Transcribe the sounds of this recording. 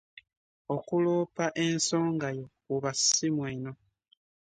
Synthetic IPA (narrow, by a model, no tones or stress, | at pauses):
o̞kuloːpaʔe̞nso̞ːŋɡajo̞kuβasimweːno̞